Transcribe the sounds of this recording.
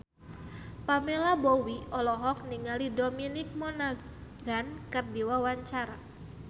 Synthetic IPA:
pamelabowiɔlɔɦɔk̚niŋalidominik̚mɔna | ɡankɨrdiwawaɲt͡ʃaɾa

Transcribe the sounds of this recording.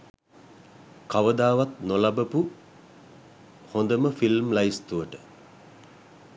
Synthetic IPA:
kaʋəd̪aːʋat̪nolabəpu | hond̪əməfilmlaist̪uʋəʈə̥

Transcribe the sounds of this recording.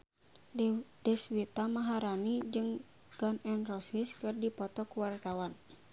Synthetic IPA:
dɛswit̪amaɦaɾanid͡ʒɨŋ | ɡ̥anɛnrɔsiskɨrdipɔt̪ɔkuwart̪awan

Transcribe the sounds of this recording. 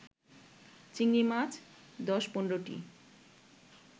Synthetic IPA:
t͡ɕiŋɡimat͡ɕd̪ɔʃponɾoʈḭ

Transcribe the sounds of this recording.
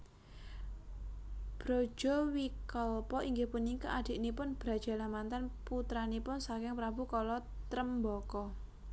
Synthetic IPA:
b̥ɾɔ̥ʒ̥ɔ̤wikɔlpɔʔiŋɡehpunikaʔad̪̥i̤ʔnipʊnb̥ɾä̤d̥ʒ̥a̤lamant̪anput̪ɾanipʊnsakɪŋpɾab̥ukɔlɔ | t̪ɾəmbɔkɔ

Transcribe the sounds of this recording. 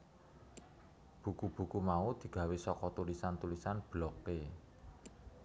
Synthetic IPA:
b̥ṳkub̥ṳkumaud̪̥i̤ɡ̥a̤wesɔkɔt̪ulisant̪ulisanb̥lɔke

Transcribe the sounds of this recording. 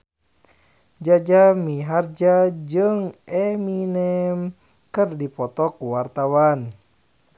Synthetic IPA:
d͡ʒad͡ʒamiɦard͡ʒad͡ʒɨŋʔɛminɛm | kɨrdipɔt̪ɔkuwart̪awan

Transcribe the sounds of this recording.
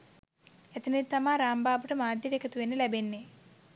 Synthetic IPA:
et̪ɐnit̪ːɐmaːɾaːmbaːbuʈɐmaːd̪ʱjɐlekɐt̪uʋenːilɐbenːe

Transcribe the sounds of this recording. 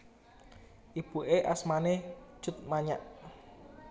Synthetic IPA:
ʔib̥ṳʔeʔasmaned̥ʒ̥ʊ̤t̪̚maɲa̰ʔ

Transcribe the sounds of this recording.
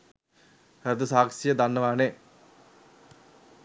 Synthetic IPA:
ɐd̪ɨsaːksijɐd̪ɐnːɐʋaːɳe

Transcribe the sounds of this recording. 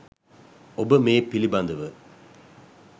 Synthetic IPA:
ɔbɐmeːpilibɐnd̪ɯʋɯ

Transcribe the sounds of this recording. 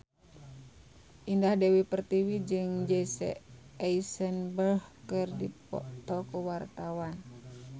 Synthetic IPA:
ʔindahdɛwipərt̪iwid͡ʒɨŋd͡ʒɛsɛ̰ʔaisənbəlhkɨrdipɔ̰ʔt̪ɔkuwart̪awan

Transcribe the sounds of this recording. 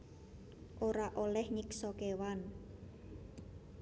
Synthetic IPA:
ʔoɾaʔolɛhɲiksɔkewan

